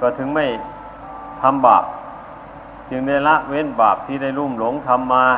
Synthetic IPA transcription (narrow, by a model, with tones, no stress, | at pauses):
kɔː˧˩t̪ʰɯ˧˦ŋma˥˩j | t̪ʰa˧mba̰ː˨˩p̚ | t͡ɕɯ˧ŋda˧˩jla˦˥ʔwe˧˥˨nbaː˨˩p̚t̪ʰiː˧˩da˥˩jluː˧˥˩mlo˨˧˦ŋt̪ʰa˧mːaː˧